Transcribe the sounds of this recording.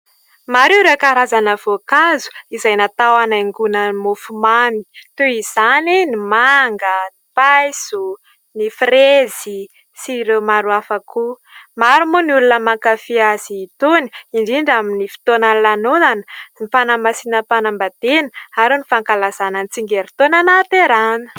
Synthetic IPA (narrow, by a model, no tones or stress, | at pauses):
maɾewɾekaɾazanəvokazu̥izajnat̪awanaŋɡunəmofumami̥t̪eiz̥aninimaŋɡəipajsu | nifrezi | siɾemaɾuafakʰu | maɾumuniulunəmaŋkafiaziːt̪oni̥iɳɖ͡ʐiɳɖ͡ʐaminifi̥t̪onanlanozanə̥mifanamasinəpanambad̪enə̥aɾunifaŋkalaz̥ananit͡siŋɡeɾit̪onanat̪eɾanə̥